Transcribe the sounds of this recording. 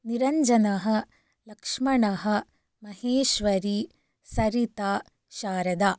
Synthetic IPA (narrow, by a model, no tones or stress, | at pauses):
niɾɐɲd͡ʒɐnɐɦɐ̆ | lɐkʂmɐɳɐɦɐ̆ | mɐɦeːʃʋɐɾiː | sɐɾit̪aː | ʃaːɾɐd̪aː